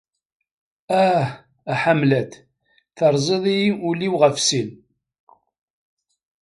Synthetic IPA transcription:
æh | æħamlæt̪ | θəɾˤzˤeðˤijʊliwʁəfsin

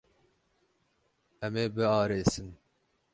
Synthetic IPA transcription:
ɛmeːbɨɑːɾeːsɨn

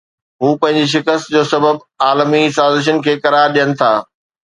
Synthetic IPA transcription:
ɦũːpɐ̃ɦɪ̃ɲd͡ʑiʃ̬ɪkəst̪d͡ʑoːsɐbəb | aːlmisaːzɪʃ̬ən̆kʰeːkɐɾaːɾɗijənɪ̆t̪ʰaː

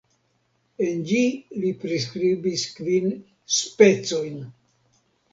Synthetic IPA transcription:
e̞nd͡ʒilipɾis̬kɾibiskvin | spe̞t͡so̞jn

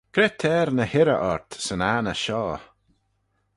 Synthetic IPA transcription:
kʰɾɛt̪ʰɛːɾnəhɪɾə̰ʔɔɹt̪sənaːnəʃɔː

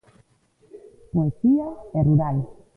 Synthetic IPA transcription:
poesiaɛruɾal

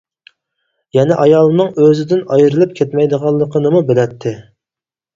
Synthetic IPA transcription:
jɛnɪʔɑjɑlˠnɨŋøzɪd̪ɪnɑjɾɨlˠɨp̚kʲʰɛt̪mɛjd̪əʁɑlˠːəqʰənɨmubɪlɛt̪ʰːɪ

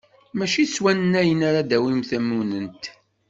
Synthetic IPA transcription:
mæʃiswænənæjənaɾad̪æwimθæmːunənt̪

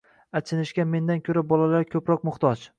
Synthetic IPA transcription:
at͡ʃʰɪnɪʃkʲame̞nd̪ankʲʰɵɾabɒlalaɾkʲʰɵpɾɒq̚mʊχt̪ʰɒt͡ʃ

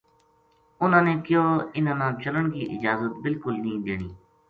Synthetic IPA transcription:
ʊnãːneːkjoːɪnãːnãːt͡ʃələɳkḭːʔɪ̰d͡ʒaːzət̪̚bɪlkʊlnəɦĩːd̪ḛːɽ̃iː

